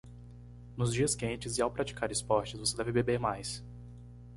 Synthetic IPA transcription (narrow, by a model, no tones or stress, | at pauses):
nʊzd͡ʒiɐskẽnt͡ʃɪzɪawpɾat͡ʃi̥kaɾɪspɔɾt͡ʃɪzvosed̪ɛvɪbebeɾmajs